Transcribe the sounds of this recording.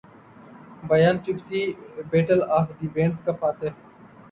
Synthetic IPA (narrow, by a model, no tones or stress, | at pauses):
bɐjaːnt͡ɕɪksiːbeːʈəlaːfd̪iːbẽːɳskɐpaːt̪e